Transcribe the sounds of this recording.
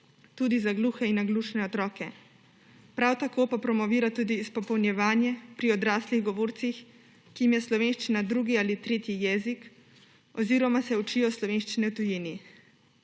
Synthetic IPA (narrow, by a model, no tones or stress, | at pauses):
t̪uːd̪izaɡluːxɛinaɡluːʃnɛɔt̪ɾɔːkɛ | pɾawt̪akoːpapɾɔmɔʋiːɾat̪uːd̪ispɔpɔwnjɛʋaːnjɛpɾiɔd̪ɾaːsliɣɡɔʋoːɾt̪six | kijimjɛslɔʋeːnʃt͡ʃinad̪ɾuːɡiaːlit̪ɾeːt̪jijɛːzik | ɔziːɾɔmasɛut͡ʃijɔslɔʋeːnʃt͡ʃinɛwt̪ujini